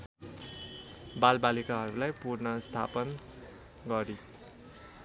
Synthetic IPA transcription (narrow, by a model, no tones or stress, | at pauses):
balbalikaɦʌɾulajpurnʌst̪ʰa̰pʌn | ɡʌɾi